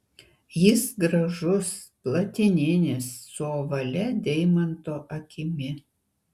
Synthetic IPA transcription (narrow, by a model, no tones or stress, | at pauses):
jɪsɡɾɐʒʊsplˠɐt̪ʲɪnʲɪnʲɪsːoːʋɐlʲɛd̪ʲɛɪmɐnt̪oːʔɐkʲɪmʲɪ